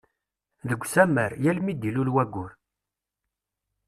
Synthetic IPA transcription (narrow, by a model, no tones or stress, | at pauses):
ðəɡʷːsæməɾjælmid̪ilulwæɡʷːʊɾ